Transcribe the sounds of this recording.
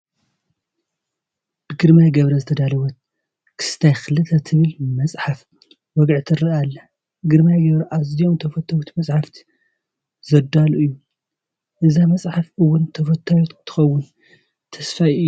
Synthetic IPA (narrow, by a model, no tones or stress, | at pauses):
b̥ɨɡɨɾmajɡɐβɾɐzɨt̪ʰɐd̪alɐwɐt̪̚ | kʰɨ̥st̪ʰajxɨlɨt̪ʰɐt̪ʰɨβɨlmɐt͡sʼħaf | wɔɡʕt̪ʰɨɾɐalːɐ | ɡɨɾmajɡɐβɾɐʔaziomt̪ʰɐfɐt̪ʰːajot̪ʰimɐsʼħaft̪ʰi̥ | zɐd̪aluʔɨjːu | ʔɨzamɐsʼħafʔɨwːʊnt̪ʰɐfɐt̪ʰːajot̪t̪ʰːɨ̥xɐwːʊn | t̪ʰɐsfajʔɨjːu